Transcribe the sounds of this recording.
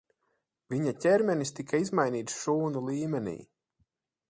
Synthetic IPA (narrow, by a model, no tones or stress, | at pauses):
viɲacʲɛɾmʲɛnist̪ikaizmajniːt̪sʃuːnulˠiːmɛnḭː